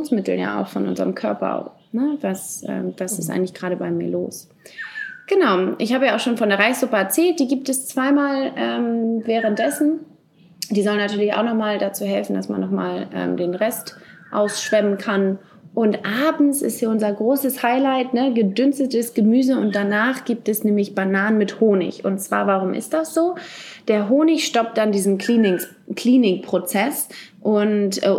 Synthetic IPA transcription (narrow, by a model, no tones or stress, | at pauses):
nsmɪtl̩ja̰ːa̰ʊxfɔ̰nʔʊ̰nzə̰ʁəmkʰœɐpɐ̰ | nəvasʔɛ̰ːmvasɪstʔaɪŋ̩lɪçɡ̥ʁaːɾəbaɪmiːɐlo̰ːs | ɡ̥ənaʊʔɪ̰çhaːbəjaaʊxʃoːnfɔndeːɐʁaɪsz̥ʊpəɛɐt͡sɛːlt̚d̥iːɡiːp̚tɛst͡sv̥aɪmaːlʔɛːmvɛːʁ̞ənt̚d̥ɛsn̩ | d̥iːzɔlənːatʰyːɐlɪça̰ʊxnɔχmaːldat͡suːɦɛlfn̩dasma̰nːɔχma̰ːlʔɛ̰ːmdeːnʁɛstʔa̰ʊsʃv̥ɛmənkʰan | ʔʊntʔaːbm̩sɪ̰sthiːɐʔʊnzɐɡʁoːsəshaɪlaɪtnəɡədʏnstətəsɡ̥əmyːzəʊnt̚d̥anaːχɡ̥iːp̚tɛsnɛːmlɪçb̥anaːnənmɪthoːnɪ̰çʊ̰ntt͡sv̥a̰ːɐvaʁ̞ʊmʔɪ̰std̥asz̥oːd̥eːɐɦoːnɪçʃtɔp̚t̚d̥andiːzn̩kʰliːnɪ | kl̥iːnɪk̚pʁ̥ot͡sɛsʔʊntɛː